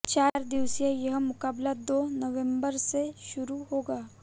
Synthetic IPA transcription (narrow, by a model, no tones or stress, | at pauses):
t͡ʃaːɾd̪iwsjajɐɦmʊkaːblad̪oːnɐʋẽmbəɾseʃʊɾuɦoːɡaː